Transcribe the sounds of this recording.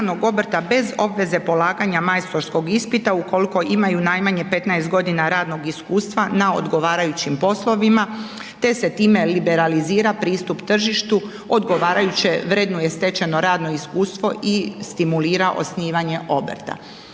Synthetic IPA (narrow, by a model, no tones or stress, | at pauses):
d̪noɡo̞brt̪abe̞zo̞bʋe̞ze̞po̞laːɡaɲamajst̪o̞ɾsko̞ɡispit̪auko̞liko̞ʔimajunajmaɲe̞pe̞t̪naest̪ɡo̞d̪inaɾaːd̪no̞ɡiskuːst̪ʋanao̰d̪ɡo̞ʋaːɾajut͡ɕimpo̞slˠo̞ʋima | t̪e̞se̞t̪iːme̞libe̞ɾaliziːɾapɾiːst̪upt̪r̩ʒiʃt̪u | o̞d̪ɡo̞ʋaːɾajut͡ɕeʋɾed̪nujest̪e̞t͡ɕe̞no̞ɾaːd̪no̞iskuːst̪ʋo̞ʔist̪imuliːɾaʔo̞̰sniːʋaɲe̞ʔo̞brt̪a̰